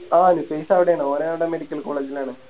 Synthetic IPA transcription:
aːenɨpeːsaːʋiɽeaːɳɨoːɾeaːnuɽeɐmeːɽikʲːɐlko̞ːɭeːd͡ʑilaːɳɨ

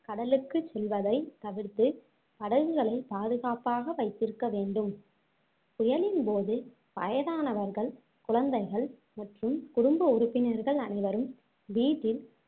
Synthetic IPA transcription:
kɐɽɐlɯkːɯsɛlʋɐðɐɪt̪ɐʋɪɾt̪ɯ | pɐɽɐɣɯɣɐɭɐɪpaːðɯɣaːpaːɣɐʋɐɪt̪ːɪɾɯkːɐʋeːɳɖɯm | ʊjɐlɪnpoːðɯ | pɐ̰jɐðaːnɐʋɐɾɣɐɭ | kʊɭɐnd̪ɐɪɣɐɭ | mɐʈrɯmkʊɽʊmbɐʊɾʊpːɪnɐɾɣɐɭɐnɐɪʋɐɾɯm | ʋiːʈːɪl

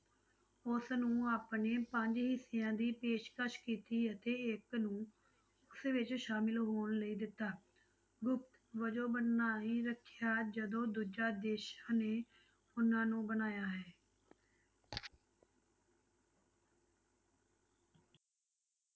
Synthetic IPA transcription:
ʊsnũːaːpneːpəɲd͡ʒɦɪsɪjãːd̪iːpeːʃkəʃkiːt̪iːət̪eːɪknũː | ʊsʋɪt͡ʃʃaːmɪlɦoːɳləiːd̪ɪt̪ːaː | ɡʊpʰt̪ʋəd͡ʒõːbənːaːɦĩːɾəkʰːjaːd͡ʒəd̪õːd̪uːd͡ʒaːd̪eːʃãːneː | ʊnãːnũːbənaːjaːɦɛː

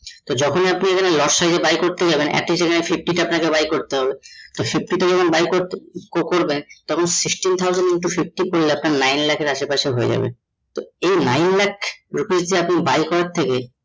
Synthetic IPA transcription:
t̪od͡ʑɔkʰoniapniekʰanelɔɾʃajd͡ʑebajkoɾt̪ed͡ʑabenɛ̰kʈiʃekʰanefifʈiʈaapnakebajkoɾt̪eɦɔbet̪ofif̚ʈiʈad͡ʑɔkʰonbajkoɾkokoɾbent̪ɔkʰonsiksʈint̪ʰawzaniʈufif̚ʈikoɾleapnaɾnajnlɛkʰeɾaʃepaʃeɦoed͡ʑa̰bḛn | t̪oejnajnlɛkʰɾukisd͡ʑ̪ieapnibajkɔɾaɾt̪ʰːeke

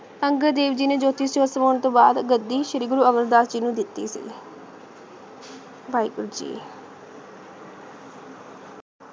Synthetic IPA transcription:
əŋɡəɾd̪eːʋd͡ʒiːneːd͡ʒoːt̪iːsjoːsəmoːɳt̪õːba̰ːd̪ɡəd̪ːiːʃəɾiːɡʊɾuːəŋɡəɾd̪aːsd͡ʒiːnũːd̪ɪt̪ːḭːsḭː | baːiːɡʊɾd͡ʒḭː

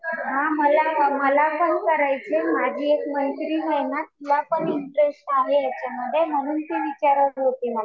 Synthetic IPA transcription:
ɦãməlaməlakənkəɾajt͡ɕemad͡ʑʱiːekməjt̪ɾiːɦəjnat̪ulapəɳiɳʈɾesʈaleat͡ɕam̤əd̪ʱem̤əɽ̃uːnt̪iːʋit͡ɕaɾəiɦot̪iːməla

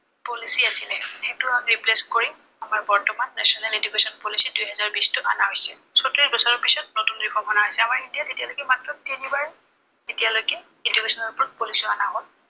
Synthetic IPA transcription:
polisiasilɛxetʊaɹipleskoɹi | amaɹbɔɹtɔmanːɛ̰sɔnaledukesɔnpolisidujɦɛzaɹbistʊanaɦojsɛ | sɔtɹisbɔsɔɹɔpisɔt̚notunɹikʰɔbɔnaɦojsɛamaɹetiatetialojkɛmatɹɔtinibaɹɛ | etijalojkɛ | edukesɔnɔɹpɹɔt̚polisɔanaɦɔl

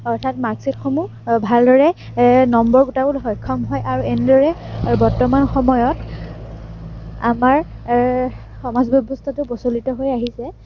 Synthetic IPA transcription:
ɔɹtʰatmaɡsetxomu | bʱaldɔɹɛ | nɔmbɔɹɡutabulxɔjkʰːɔmɦɔjʔaɹuɛnɛdɔɹɛbɔɹtɔmanxɔmɔjɔt | a̰maɹ | xɔmazbɔbɔstʰatʊpɔsolitɔɦojaɦisɛ

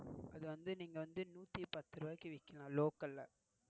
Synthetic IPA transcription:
ʔɐðɯʋɐnd̪ɯniːŋɡɐʋɐnd̪ɯnuːt̪ːipɐt̪ːɯɾɯʋaːkːɯʋɪkːɐlãːloːkɐlːɐ

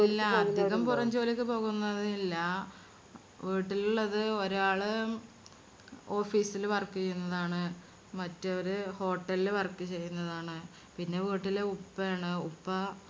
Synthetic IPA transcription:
ilːɐɐd̪ʱjeɣɐmpurɐɲd͡ʑo̞ːlikʲːɨpo̞ːɣunːɐðɨilːɐ | ʋiːʈːiluɭːɐðɨo̞ɾaːɭɨ | o̞ːfiːsilʋɐrkːit͡ɕejːunːɐðaːɳɨ | mɐtːɨoɾuho̞ːʈːɐlilɨʋɐrkːɨt͡ɕe̞jːunːɐðaːɳɨ | pinːe̞ʋiːʈːilupːɐjaːɳɨupːɐ

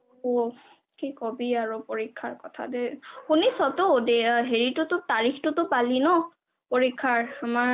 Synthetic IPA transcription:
o | kikɔbiaɹupoɹikʰːaɹkɔtʰa̰deunisɔtodeɦeɹitʊtʊtaɹixtʊtʊpalinɔ | poɹikʰːaɹama

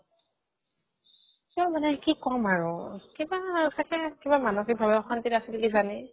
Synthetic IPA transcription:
kiɔmanɛkikɔmaɹʊkibasakɛkibamanɔkibʱabɛɔxantitasilkizanɛ

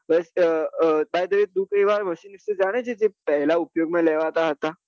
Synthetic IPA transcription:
bɛs | baːjd̪əʋit̪̚d̪ukəiʋaːɾmɐʃiːnɪssed͡ʒaːɽ̃et͡ʃʰed͡ʒepɛɦlaʊpjoːɡmẽleːʋaːt̪aɦɐt̪aː

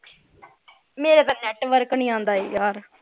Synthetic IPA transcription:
meːɾet̪ãːnɛːʈʋəɾknĩːãːnd̪aːeːjaːɾ

